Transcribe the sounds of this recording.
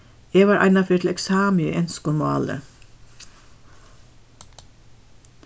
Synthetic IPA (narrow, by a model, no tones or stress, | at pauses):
eːʋɑːɾʔɑ̰ɪnɑfyːʈ̪ʰl̩ɛksɑːmɪḭːʔɛnskʊmɑ̰ːlə̰